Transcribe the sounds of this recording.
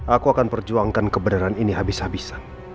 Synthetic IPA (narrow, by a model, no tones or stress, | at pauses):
akuakanpərd͡ʒuaŋkankəbənaɾaniniɦabishabisḁ